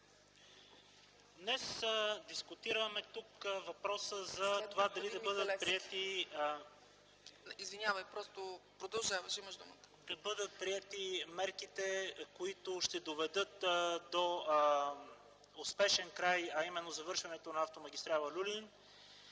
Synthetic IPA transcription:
d̪nɛsd̪iskʊt̪iɾəmɛt̪ukvɐpɾɔsəzɐt̪ovad̪ɐlid̪ɐbɤd̪ət̪̚pɾiɛt̪i | izvinʲjavəjpɾɔst̪opɾod̪ɐlˠʒavɐʃimɐʃd̪umət̪ə̥d̪̥ɐbɤd̪ət̪̚pɾiɛt̪imɛɾkit̪ɛkoit̪oʃt̪ɛd̪ovɛd̪ɤt̪d̪o | ʊspɛʃɛnkɾajɐimɛnːozɐvɤɾʃvɐnɛt̪onɐːft̪omɐɡʲist̪ɾalˠəlʲulin

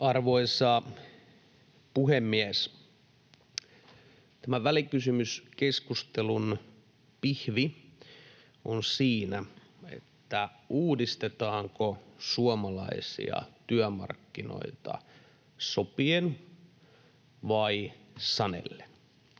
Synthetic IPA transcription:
ɑrʋoisɑ | puɦemːies | t̪æmæʋælikysymyskeskust̪elun | pihʋi | onsiːnæ | ḛt̪ːæ | uːdist̪et̪ɑːŋkosuomɑlɑ̰isḭɑ̰t̪yæmɑ̰rkːino̰it̪ɑ̰ | sopien | ʋɑisɑnḛlːe̥n

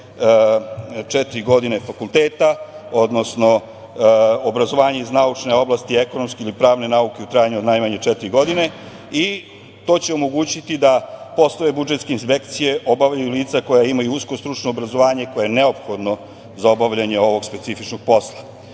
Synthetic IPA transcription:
t͡ʃɛt̪iɾiɡo̞d̪ine̞fakulˠt̪e̞ːt̪ao̞d̪no̞sno̞ | obɾazo̞ʋaːɲeiznaut͡ʂne̞o̞blˠast̪ie̞ko̞nomskeilipɾaːʋne̞nauke̞ut̪ɾaːjaɲuod̪najmaɲet͡ʃɛt̪iɾiɡo̞d̪ine̞ | i | t̪o̞ːt͡ɕeo̞mo̞ɡuːt͡ɕit̪id̪apo̞slˠoʋe̞bud͡ʒet̪ske̞inspe̞kt̪sije̞ʔo̞baʋʎajuliːt̪sako̞jaimajuusko̞st̪ɾut͡ʂno̞ːbɾazo̞ʋaːɲe̞ko̞jajene̞o̞pxo̞d̪no | zao̞baʋʎaɲe̞o̞ʋo̞ɡspe̞t̪sifit͡ʃno̞ɡ̥̚po̞slˠa

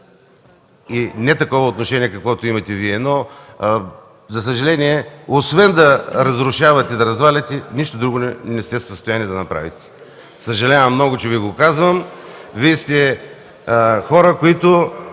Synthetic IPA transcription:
inɛt̪ɐkɔvɐot̪noʃɛniɛkɐkvɔt̪oimɐt̪ɛviɛnɔ | zɐs̬əʒɐlɛniɛosvɛnd̪ɐɾɐzɾʊʃavɐt̪ɛd̪ɐɾɐzvalʲɐt̪ɛniʃt̪od̪ɾuɡonɛnɛst̪ɛssəst̪ojaniɛd̪ɐnɐpɾa̰vit̪ɛ̥ | səʒɐlʲavɐmːnɔɡʊt͡ʃɛviɡokazvəmviɛst̪ɛ | xɔɾəkoit̪o

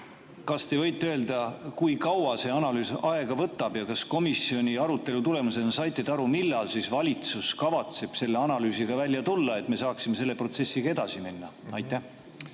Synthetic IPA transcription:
kɑst̪e̞vɤ̞jt̪ːˑeø̞eld̪ɑkujkɑwɑse̞ɑnɑlyːsɑe̞ɡ̥ɑvɤt̪ːˑɑb̥jɑkɑsko̞misio̞nʲiɑɾut̪ːˑe̞lut̪ule̞mus̬e̞nɑsɑjt̪ːˑed̪̥ɑɾumilːɑlsisvɑlʲit̪suskɑvɑt̪se̞b̥se̞lːeɑnɑlyːsiɡ̥ɑvælʲːjɑt̪ulːɑe̞t̪ːˑme̞sɑːksime̞se̞lːe̞pro̞t̪se̞sːiɡ̥ɑe̞d̪̥ɑsiminːɑɑjt̪ːˑæh

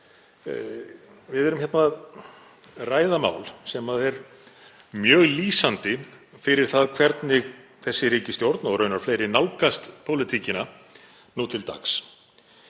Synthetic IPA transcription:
vɪðɛɾʏmçɛt̪nað | raːjðama̰ːwlsɛmaðɛɾ | mjœːɣliːsant̪ɪfɪɾɪɾ̥θaðkʰvɛɾt̪nɪɣθɛsːɪɾiːcɪst̪jowɾt̪naɔɣɾœːɥnaɾ̥fleːjɾɪnawlkast̪pʰoːwlɪt̪ʰiːcɪna | nuːt̪ʰɪlt̪a̰ks

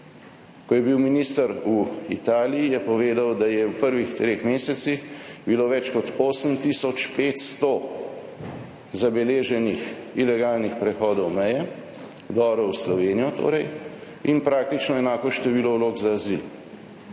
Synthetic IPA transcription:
kɔjɛbiwminiːst̪əɾuḭt̪aːlijijɛpɔʋeːd̪awd̪ajɛwpəɾʋixt̪ɾeːxmeːsɛt̪sixbiloːʋɛt͡ʃkɔt̪oːsəmt̪isɔt͡ʃpeːt̪st̪ɔ | zabɛleːʒɛnixilɛɡaːlnixpɾɛxɔːd̪ɔwmɛjɛ | d̪ɔːbɾɔwslɔʋeːnijɔt̪o̰ːɾɛj | inpɾaːk̚t̪it͡ʃnɔɛnaːkɔʃt̪ɛʋiːlɔwloːɡzaːzil

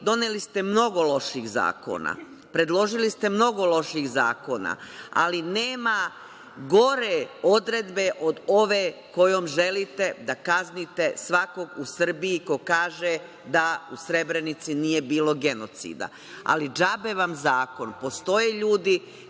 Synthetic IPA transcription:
d̪o̞nelist̪e̞mno̞ɡo̞lo̞ʃiɣza̰ːko̰na̰ | pɾe̞d̪lˠo̞ʒilist̪emno̞ɡo̞lo̞ʃiɣza̰ːko̞na̰a̰lineːma | ɡo̞ɾeo̞d̪ɾe̞d̪be̞ʔo̞d̪o̞ʋeko̞joːmʒe̞lit̪e̞d̪akaznit̪e̞sʋako̞ɡusr̩biiko̞kaːʒe | d̪ausɾe̞bɾe̞nit̪sinije̞biːlo̞ɡe̞no̞t̪sḭːd̪a̰ | a̰lid͡ʒabeʋamzaːko̞npo̞st̪o̞jeʎuːd̪i

